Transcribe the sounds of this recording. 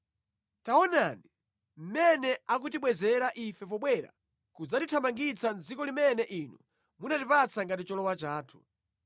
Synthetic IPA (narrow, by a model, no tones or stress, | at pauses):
taɔnaːni | m̩mɛnɛakutiɓwɛzɛɾaʔifɛp̬ɔɓwɛɾa̰ | kud͡zatitʰamaŋɡit͡sand͡zikɔlimɛnɛʔiːnṵ | munatipat͡sʰaŋɡatit͡ʃɔlɔwat͡ʃaːtʰu̥